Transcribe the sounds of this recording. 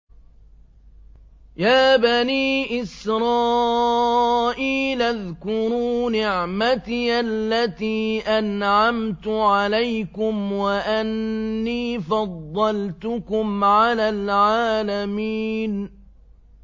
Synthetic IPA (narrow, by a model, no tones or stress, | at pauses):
jaːbaniːʔɪsɾˤɑː | ʔiːlʔaðkʊɾuːnɪʕmat̪iʔalːat̪iːʔanʕamt̪ʊʕalajkʊmwaʔanːiːfɑd̪ˤːɑlt̪ʊkʊmʕalaːlʕaːlamiːn